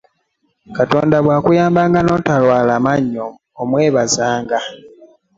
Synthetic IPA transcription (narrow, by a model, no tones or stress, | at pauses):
kato̰ːndaβwaːkujaːmbaːŋɡano̞ːtalwaːlamaɲːoː | mwe̞ːβazaːŋɡa